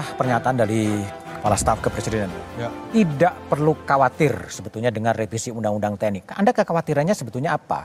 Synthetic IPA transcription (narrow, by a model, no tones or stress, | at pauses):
ahpərɲat̪aandaɾi | kə̥palast̪afkəpɾesidenant̪ṵt̪idaʔpərlukawat̪ɪrsəbət̪ulɲadəŋanrefisiundaŋundaŋt̪ɛnɪk̚a̰ndakəkawat̪iɾanɲasəbət̪ulɲaapa̰